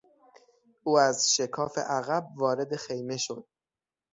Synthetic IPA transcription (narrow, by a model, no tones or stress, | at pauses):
ʔuːæzʃe̞kʰɒːfḛʔæɣæb̚vɒːɾe̞d̪e̞xejme̞ʃo̞d̪̥̚